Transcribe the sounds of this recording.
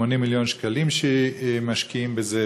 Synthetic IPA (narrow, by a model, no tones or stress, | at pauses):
onimːiljonʃkalimʃemaʃkiimbeze